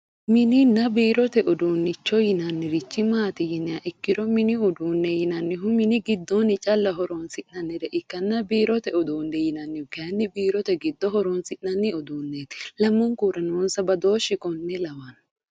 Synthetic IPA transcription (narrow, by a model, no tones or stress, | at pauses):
mɪnɪnːɐbiːɾɔt̪ɛʔɔd̪uːnːɪt͡ʃːɔjɪnɐnːɪɾɪt͡ʃːɪmaːt̪ɪjɪnːɪɐʔɪkːɪɾɔmɪnɪʊd̪uːnːɛjɪnɐnːɪɦʊmɪnɪɡɪd̪ːɔnɪt͡ʃʼɐlːɐɦɔɾɔnsɪʔnɐnːɪɾɛʔɪkːɐnːɐbiːɾɔt̪ɛɔd̪uːnːɛjɪnɐnːɪʊkɐnːɪbiːɾɔt̪ɛɡɪd̪ːɔɦɔɾɔnsɪʔnɐnːɪɔd̪uːnːet̪lɐmːɔŋkuːɾɐnoːnsɐbɐd̪o̞ːʃːɪkʼɔnːɛlɐwɐn